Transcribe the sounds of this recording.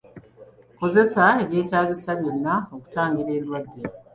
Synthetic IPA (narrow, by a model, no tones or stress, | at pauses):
ko̞ze̞saeβje̞ːtaːɡisaβjo̞nːaoku̥taːŋɡiɾe̞ːlwadːe̞